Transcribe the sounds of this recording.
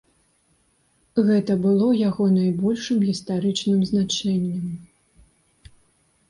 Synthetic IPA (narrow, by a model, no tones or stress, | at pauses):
ɣɛt̪ɐbɨlˠɔjaɣɔnajbɔlʲʂɨmɣʲist̪aɾɨt͡ʂnɨmznat͡ʂɛnʲːɐm